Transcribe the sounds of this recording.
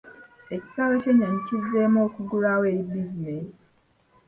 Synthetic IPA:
eci̥saβace̞ɲːaɲicizemoːkuɡuɾaweːɾibizines

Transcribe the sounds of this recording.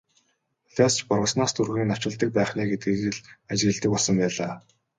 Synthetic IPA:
ɮaːst͡ɕpɔrʁə̆snaːst̪ʰurɣiːnḁt͡ɕɪ̆ɮt̪ə̆k̚pæːχnæːɡet̪̚ɡeɘ̆ɮat͡ɕɣɘ̆ɮt̪ə̆kɔɮsə̆mpæːɮaː

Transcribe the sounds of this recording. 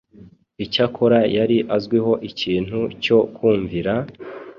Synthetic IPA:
icakʰoɾajaɾiʔazɡwiɦo̞ʔiciːn̥huco̞kuːɱviɾa

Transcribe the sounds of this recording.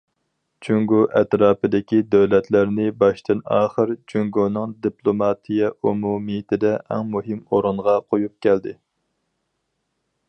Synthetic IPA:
t͡ʃʰyŋɡuʔɛt̪ɾɑːpɨd̪ɪkʲid̪øwlɛt̪ʰlæɾnɪbɑʃt̪ɨnɑ̰ːχəɾt͡ʃʰyŋɡonɨŋd̪iplˠomɑt̪ʰijɛʔumumijɪt̪ʰɪd̪ɛʔɛ̰ŋmuɦɪmoɾɨɴʁɑqʰojup̚kʲʰɛld̪ɪ

